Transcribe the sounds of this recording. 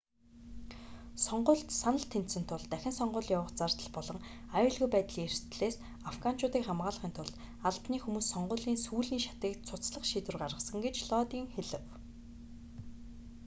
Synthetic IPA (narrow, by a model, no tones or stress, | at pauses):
sɔɴɢʊːɮt̪sanə̆ɬt̪ʰent̪sɘ̆nt̪ʰʊɮt̪æxʲɪ̆nsɔɴɢʊːɮjawə̆χt͡sart̪ə̆ɮpɔɮɞ̆ŋ | ajʊːɮɣujpæːt̪ɮiːŋerst̪ɮeːs | afɡan̥t͡ɕʰʊːt̪iːkχamɢaːɮə̆χiːnt̪ʰʊɮ | aɮpniːxumuːsːɔɴɢʊːɮiːnsuːɮiːŋʃḁt̪iːk̚t͡sʰʊt͡sɮə̆χʃiːt̪ɘ̆rɢarʁə̆sə̆ŋɡet͡ɕɮɔt̪iːŋxeɮɘ̆w